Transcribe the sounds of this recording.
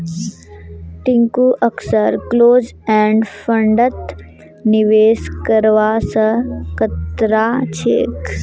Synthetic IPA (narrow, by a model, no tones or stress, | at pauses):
ʈĩŋkuːʔəksəɾkloːd͡ʒɛ̃ːɳɖfəɳɖət̪ | niʋeːskəɾʋasəkət̪ɾaːt͡ʃʰḛːk